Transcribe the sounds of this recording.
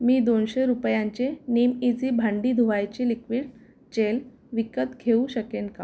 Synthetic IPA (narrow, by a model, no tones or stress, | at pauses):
miːd̪onɕeɾupjãɲt͡ɕenemid͡ziːbʱaɳɖiːd̪ʱuʋajt͡ɕilikʰʋiːɽ | t͡ɕel | ʋikət̪ɡʱeũɕəkenka̰